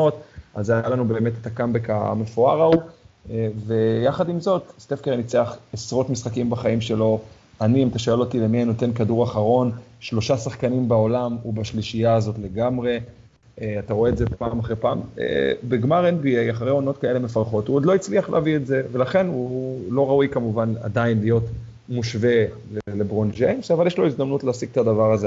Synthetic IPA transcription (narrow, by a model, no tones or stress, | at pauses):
otazjajalanube̞ːmetetakambeka̰me̞foaʁau | ve̞jaχadimzo̞tst̪efkeʁenit͡seaχesʁo̞tmisχakimbaχaimʃe̞lo̞ | aniimt̪aʃoelo̞tile̞miano̞te̞nkaduʁaχaʁo̞nʃlo̞ʃasaχkanimbao̞lamubaʃliʃijaːzo̞tle̞ɡamʁe̞ | ataʁo̞e̞ːdzepaːmaχʁepaːmḛbeɡmaʁenbiejaχaʁejo̞no̞tkae̞lemefaʁχo̞tuod̪lo̞it͡sliaχlḛavietze̞ve̞laχe̞nulo̞ʁaujkamuvana̰dainlijo̞t | muʃve̞ | lelebʁond͡ʒejnsavaljeʃlo̞izd̪amnutleasiɡ̚t̪adavaʁaze